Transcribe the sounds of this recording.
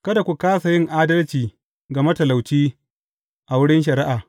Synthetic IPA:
kɐ˦da˨kʷu˨kaː˦sa˨jɪ˦ŋʔaː˦dɐ˦lt͡ʃiː˨ | ɡɐ˨mɐ˦tɐ˨la˨wt͡ʃiː˦ | ʔa˨wʊ˦ɽɪ˦nʃ̬ɐ˨ɾɪ˦ʔaː˨

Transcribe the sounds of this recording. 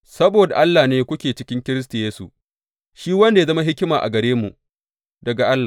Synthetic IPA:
sɐ˦boː˨da˨ʔa˦lːaː˨neː˦kʷʊ˦kʲeː˨t͡ʃɪ˦kʲɪ˦ŋkʲɪ˦ɾɪ˦s̬ta˨jeː˦sṵ˨ | ʃiː˦wɐ˦nda˨ja˦zɐ˦ma˦ɦɪ˦kʲɪ˦maː˨ʔa̰˨ɡɐ˨ɾeː˦mṵ˨ʔ | dɐ˨ɡa˨ʔa˦lːaː˨

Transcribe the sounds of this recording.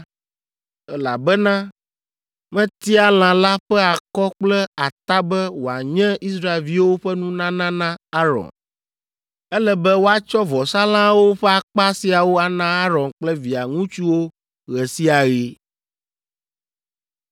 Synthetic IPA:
ɛ˦la̰˨bɛ˦nã˦ | mɛ̃˦t̪i˦a˨l̃ã˨la˦ɸɛ˦a˨kɔ˦k͡plɛ˦a˨t̪a˦bɛ˦wo˨a̰˨ɲɛ̃˦i˦s̬ɾa˦˨e˨lvi˦wo˦ɸɛ˦nũ˦nã˦nã˦nã˦a˦ɾɔ̰˨n | ɛ˦lɛ˦bɛ˦wo˦a˦t͡ʃɔ˦vɔ˨sa˦lã˦wo˦ɸɛ˦a˨k͡pa˦si˨a˨wo˦a˨nã˦a˦ɾɔ˨nk͡plɛ˦vi˨a˨ŋũ˦t͡ʃu˦wo˦ | ɣɛ˨si˦a˨ɣi˦

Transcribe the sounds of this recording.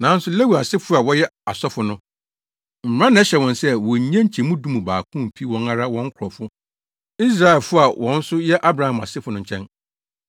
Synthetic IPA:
nã˨˦n̩˦sʊ˦le˦wi˨a˨sɪ˦fʊ˦a˨wɔ˦jɛ˦a˨sɔ˦fʊ˨nʊ̃˦ | m̩˨m˨ɾã˦nʊ̃˨˦ɛ˦ɕɛ˨wɔ̃˨nsɛ˦wɔ̃˨ɲ˨ɲã˦ɲ̩˦t͡ɕʰi˨mũ˦dũ˦mũ˨baː˨kʰũ˦˨m˨pʰi˦wɔ̃˨na˦ɾa˦wɔ̃˦ŋ̩˦kʰʊ˨ɾɔ˨fʊ˦ | i˦s̬ɾa˦˨ɪ˨lfʊ˦a˨wʔɔ̃˨n̩˦sʊ˦jɛ˦ʔa˦bɾa˨˦hã˨ma̰˨sɪ˦fʊ˨nʊ̃˦ɲ̩˨t͡ɕʰɛ̃˦n

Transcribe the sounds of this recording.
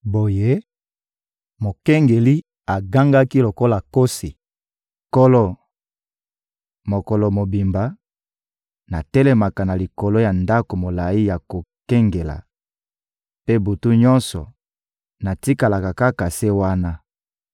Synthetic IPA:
bo˨je˦ | mo˨kɛ˦ŋɡe˨li˦ | a˨ɡa˦ŋɡa˦ki˦lo˨ko˦la˨ko˦si˨ | ko˦lo˦ | mo˨ko˨lɔ˨mo˨bi˨mba˨ | na˨tɛ˦le˨ma˨ka˨na˨li˨ko˨lo˦ja˨nda˦ko˨mo˨la˨i˦ja˨ko˨kɛ˦ŋɡe˨la̰˨ | pe˦bu˨tu˦ɲɔ̃˦nsɔ˨ | na˨ti˦ka˨la˨ka˨ka˦ka˨se˦wa˦na˦

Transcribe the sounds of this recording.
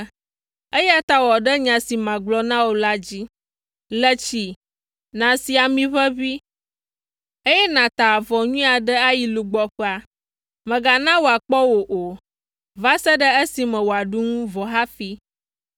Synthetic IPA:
e˦ja˦t̪a˦wɔ˨ɖə˦ɲã˨si˨mã˨ɡ͡blɔ˦nã˦wo˨la˦d͡ʑi˦ | lə˦t͡ɕi˨ | nã˨si˨a˨mĩ˦βə˦βi˦ | e˦jɛ˦nã˨t̪a˨vɔ˨ɲũ˦a˨ɖə˦a˦ji˨lu˨ɡ͡bɔ˦ɸə˦a˨ | mɛ̃˨ɡa˨nã˦wo˨a˨k͡pɔ˦wo˨ʔo˨ | va˦sə˦ɖə˦ə˦si˨mɛ̃˨wo˨a˨ɖu˦ŋũ˦vɔ˨ɦa˦fi˦

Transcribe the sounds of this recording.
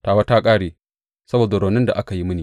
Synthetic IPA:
taː˨wa˦taː˦kʼaː˦ɽeː˨ | sɐ˦boː˨da˨ɾoː˨nɪ˦nda˨ʔa˦ka˨ji˦mʊ˦niː˨

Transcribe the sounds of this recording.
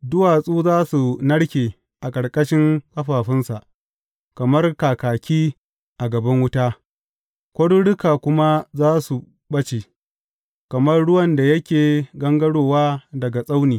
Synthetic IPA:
dʊ˦waː˨sʼuː˦zaː˦su˨nɐ˦ɽkʲeː˨ | ʔa˨kʼɐ˨ɽkʼɐ˦ʃɪ˦ŋkɐ˦ɸaː˨ɸɪ˦nsa̰˨ʔ | kɐ˨mɐ˦rkaː˨kaː˨kʲiː˦ | ʔa˨ɡɐ˨bɐ˦ŋwʊ˦taː˦ | kʷɐ˦ɽu˦ɽɪ˦kaː˨kʷʊ˦ma˦zaː˦su˨ | bɐ˦t͡ʃe˨ | kɐ˨mɐ˦rɽʊ˦wɐ˨nda˨jɐ˦kʲeː˨ɡɐ˦ŋɡɐ˦ɽoː˨waː˦dɐ˨ɡa˨sʼa˦wniː˨

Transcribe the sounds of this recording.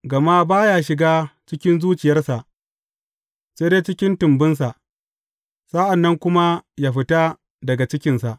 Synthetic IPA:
ɡɐ˨ma˦baː˦jaː˦ʃɪ˨ɡaː˦t͡ʃɪ˦kʲɪ˦nzuː˦t͡ʃɪ˨jɐ˦rsa˨ʔ | seː˦deː˦t͡ʃɪ˦kʲɪ˦ntʊ˨mbɪ˦ns̬a˨ʔ | sa˦ʔa˨nːɐ˦ŋkʷʊ˦ma˦ja˦ɸɪ˦ta˦ | dɐ˨ɡa˨t͡ʃɪ˦kʲɪ˦nsa˨ʔ

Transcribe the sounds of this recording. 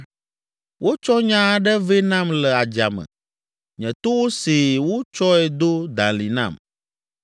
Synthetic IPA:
wʔo˦t͡ʃɔ˦ɲã˦ɖɛ˦ve˦nã˦mlɛ˨a˨d͡ʒa˨mɛ̰̃˨ | ɲɛ̃˨t̪o˦wo˦si˨wo˦t͡ʃɔ˦ɛ˨d̪o˦d̪ã˨li˨nã̰˨m

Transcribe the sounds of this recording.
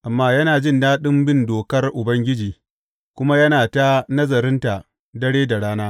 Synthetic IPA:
ʔa˨mːaː˦jɐ˦naː˨d͡ʒɪ˦˨ndaː˦ɗɪ˦mbɪ˦ndoː˨kɐ˦rʔʊ˨bɐ˦ŋɡʲɪ˦d͡ʒiː˨ | kʷʊ˦ma˦jɐ˦naː˨ta˦nɐ˦zɐ˨ɾɪ˦nta˨ | dɐ˦ɽeː˦da˨ɽaː˦naː˦

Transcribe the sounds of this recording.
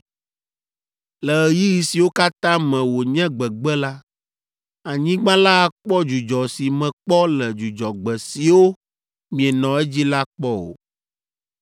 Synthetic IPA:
lɛ˨ə˨ji˦ji˨si˨wo˦ka˦t̪ã˦mɛ̃˨wo˨ɲɛ̃˦ɡ͡bɛ˨ɡ͡bɛ˦la˦ | a˨ɲĩ˦ɡ͡bã˦la˦˨k͡pɔ˦d͡ʒu˨d͡ʒɔ˨si˨mɛ̃˨k͡pɔ˦lɛ˨d͡ʒu˨d͡ʒɔ˨ɡ͡bɛ˨si˨wo˦ | mĩ˨ɛ˨nɔ̃˨ɛ˦d͡ʑi˦la˦k͡pɔ˦o̰˨

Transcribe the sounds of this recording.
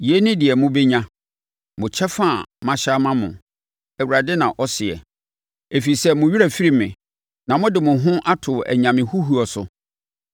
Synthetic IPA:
je˦nɪ̃˦dɪ˨ɛ˨mʊ̃˦be˦ɲã˦ | mʊ̃˨t͡ɕʰɛ˦fã˦˨mã˦ɕa˦mã˦mʊ̰̃˨ | æ˨wu˨ɾa˨dɪ˦nã˨ʔɔ˦sɪ˨ɛ̰˨ | e˨fi˨sɛ˦mʊ̃˨ɥi˦ɾa˨fi˦ɾi˦mɪ̰̃˨ | nã˨mʊ̃˦dɪ˨mʊ̃˨ɦʊ̃˦ʔa˦tʰʊ˨æ̰˨ɲã˨mɪ̃˨hu˦ɦu˦ɔ˨sʊ̰˨

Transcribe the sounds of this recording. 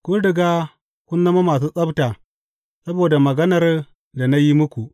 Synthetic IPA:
kʷʊ˦nɽɪ˨ɡaː˦ | kʷʊ˦nːɐ˦ma˦maː˨s̬uː˦sʼɐ˦bta˨ | sɐ˦boː˨da˨mɐ˨ɡɐ˦nɐ˨r | da˨na˦ji˦mʊ˦kʷu˨ʔ

